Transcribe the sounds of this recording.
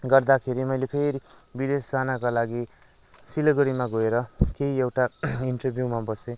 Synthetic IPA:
ɡʌrd̪akʰeɾimʌjlepʰeɾi | bid̪esd͡zanakalaɡi | silʌɡʌɽimaɡoeɾʌkeɦiewʈaiɳʈʌrbʱjumabʌsẽ

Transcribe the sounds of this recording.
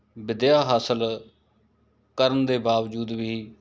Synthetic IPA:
bɪd̪jaːɦaːsəl | kəɾənd̪eːbaːʋd͡ʒuːd̪ʋiː

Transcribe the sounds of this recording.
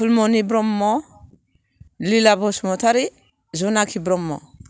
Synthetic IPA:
pulmɔnibɾɔmːɔ | lilabɔsmɔtʰaɾi | zɔnakʰibɾɔmːɔ̰

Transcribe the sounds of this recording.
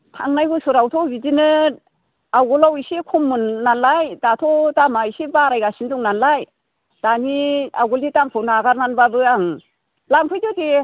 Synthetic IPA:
tʰaŋnajbɯsɯɾawtʰɔbizinɯ | awɡɔlawisikʰumːunːanlajdatʰɔdamaisibaɾajɡasindɔŋnanlaj | d̥aniawɡulitampʰɯwnaaɡaɾnanbabɯaŋ | lampʰɯjdɯdi

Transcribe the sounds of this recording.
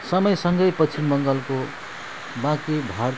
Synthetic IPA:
sʌmʌjsʌŋɡʌjpʌt͡sʰinbʌŋɡʌlko | bãkibʱaɾ

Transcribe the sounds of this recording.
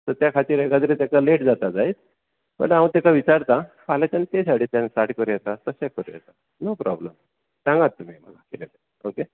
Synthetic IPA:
t̪əɾt̪jakʰat̪iɾekad̪ɾit̪akaleʈd͡zat̪ad͡zait̪̚ | mə̰ʈawũt̪akaʋit͡ɕaɾt̪a | palat͡ɕant̪esaɽiːt̪jansaʈkəɾijet̪at̪əɕekəɾḭjḛt̪a | nopɾɔ̰bləm | t̪ãŋɡat̪ːum̤im̤ə̰lakelet̪e | oke

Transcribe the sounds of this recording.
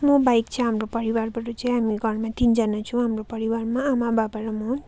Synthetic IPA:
mʌbajkt͡sʰʌ̃ɦamɾopʌɾiwarbʱʌʈut͡saĩɦamiɡʱʌɾmat̪ind͡zʌnat͡sʰũw̃ɦamropʌɾiwarmaːmabʱabaɾʌmʌ

